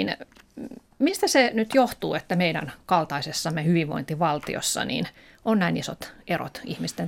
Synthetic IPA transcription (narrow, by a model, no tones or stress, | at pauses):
n | mist̪æsenyt̪joht̪uːet̪ːæmeiɾæ̰nkɑlt̪ɑisesːɑmːehyʋiʋʋo̰int̪iʋɑlt̪ḭo̰sːɑ̰nḭn | onnæiniso̰t̪ero̰t̪ihmist̪en